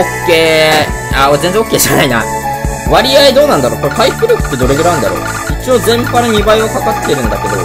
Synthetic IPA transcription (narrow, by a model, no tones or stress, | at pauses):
okːe̞ːaːozenzẽokːeːʑanaina̰ | βaɾʲiaid̪oːnãnd̪aɾo̞ːkopaiɸɯ̟ɾɯ̟ːkɯ̟̥t̪ːe̞d̪o̞ɾe̞ɡɯɾaɯnd̪a̰ɾo̰ː | it͡ɕio̞zẽ̞mpaɾaɲ̟ibaiakakat̪ːeɾɯ̟̃nd̪ake̞d̪o̞̰